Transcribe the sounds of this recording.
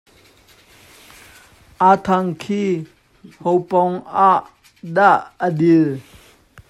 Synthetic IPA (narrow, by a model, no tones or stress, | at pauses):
ʔat̪ʰaŋkʰiː | howpɔŋaʔ | daʔədil